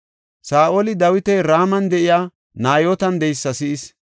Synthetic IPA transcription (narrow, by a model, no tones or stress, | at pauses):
saːʔoːlɪd̪ɐwɪt̪ɛɾaːmɐnd̪ɛʔɪjaː | naːjoːt̪ɐnd̪ɛjsːɐsɪʔɪs